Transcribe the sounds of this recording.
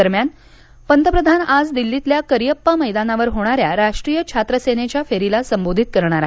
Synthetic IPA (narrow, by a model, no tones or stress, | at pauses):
əɾmjan | pənt̪əpɾəd̪ʱanad͡zd̪ilːit̪ljakəɾijəpːəməjd̪anaʋəɾɦoɽ̃aɾjaɾaʂʈɾijət͡ɕʰat̪ɾəsenet͡ɕjafeɾilasəmbod̪ʱit̪̚kəɾɳ̃aɾaɦe